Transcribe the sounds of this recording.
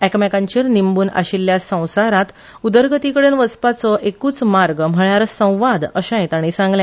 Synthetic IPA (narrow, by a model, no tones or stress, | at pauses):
ækmɛkãɲt͡ɕiɾnimbuːna̰ɕilːjasə̃w̃saɾat̪ | ud̪əɾɡət̪ikəɽenʋəspat͡sɔʔekuːt͡smaɾɡm̤əɭaɾsə̃w̃ʋad̪əɕãj̃t̪aɽ̃isãŋɡlã